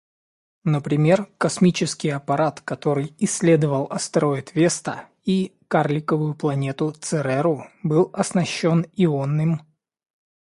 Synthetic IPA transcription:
nəpɾʲɪmʲe̞rkɐsmʲit͡ɕɪskʲɪjɐpɐɾat̪kɐt̪o̞ɾɨjɪsʲːlʲe̞d̪əvəlˠɐst̪ɾo̞ɪt̪vʲe̞st̪ə | ikarlʲɪkəvʊjʊplˠɐnʲe̞t̪ʊt̪sɛɾɛɾʊbɨlˠɐsnɐɕːo̞nɪonːɨm

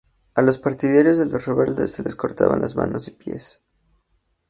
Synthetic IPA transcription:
alo̞spaɾt̪iðjaɾjo̞zðelo̞sreβe̞ld̪e̞sːe̞le̞sko̞ɾt̪aβa̰nlʔazma̰no̞sipje̞̰s

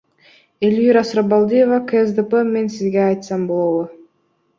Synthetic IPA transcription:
elʲiɾasɾabalˠd̪ijevakəesd̪əpeme̞nsizɡeɑjt̪sɑmbolˠowə

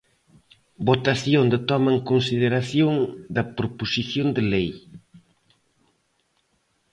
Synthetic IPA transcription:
bot̪aθjond̪ɪt̪ɔmɐŋkonsiðeɾaθjoŋd̪ɐpɾoposiθjond̪ɪlej

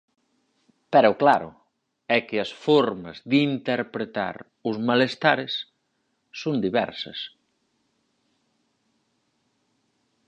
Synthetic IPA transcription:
pɛɾʊklaɾʊ̰ | ɛkɪɐsfɔɾmɐ̰zðint̪eɾpɾet̪a̰ɾ | ʊzmalest̪aɾɪsː | ond̪iβɛ̰ɾsɐ̰s

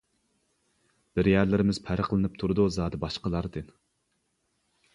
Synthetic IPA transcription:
b̥ɪɾjæɾlɪɾɪmɪz̥pʰæɾəqlˠɨnɨp̚t̪ʰuɾɨd̪uzɑːd̪ɨbɑʃqəlˠɑɾd̪ɨn

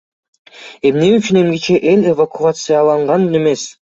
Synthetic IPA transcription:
e̞mne̞yt͡ʃyne̞mɡit͡ʃeʔe̞lʲevakuat̪sɨjalˠɑɴʁɑnne̞me̞s

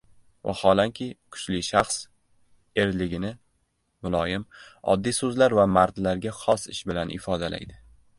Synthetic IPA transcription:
va̰hɒlaŋkʲʰɪkʰʊ̥t͡ʃlɪʃaχs | e̞ɾlɪɡʲɪnɪ | mʊlˠɒjɪmɒ̰d̪ːijsɵzlaɾvamaɾd̪laɾɡʲaχɒsɪʃbɪlanʔɪ̰fɒd̪ala̰jd̪ɪ

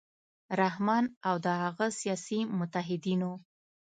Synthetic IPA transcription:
ɾahmɑnawd̪əhaɣəsijɑsimʊt̪aɦɪd̪ino

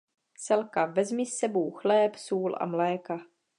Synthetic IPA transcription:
sɛlkavɛzmisːɛbowxlɛːpsuːlʔa̰mlɛːka

